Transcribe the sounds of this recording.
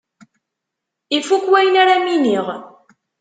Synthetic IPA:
ifukwæjnaɾaminiʁ

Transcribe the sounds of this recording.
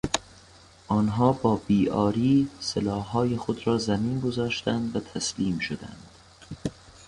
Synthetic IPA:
ʔɒːnɦɒːbɒːbiːɒːɾiːselɒːhːɒːjexod̪ɾɒːzæmiːnɡo̞zɒːʃt̪ænd̪væt̪ʰæsliːmʃod̪æ̰nd̪̥

